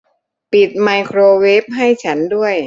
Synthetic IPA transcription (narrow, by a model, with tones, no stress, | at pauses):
pi˨˩t̪̚ma˧jkʰɾoː˧we˦˥p̚ɦa˥˩jt͡ɕʰa˦˥ndu˥˩əj